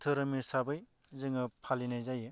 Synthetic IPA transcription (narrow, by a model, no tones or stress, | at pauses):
tʰɯɾɯmisaɾbɯj | zɯŋɯpʰalinajzajɯ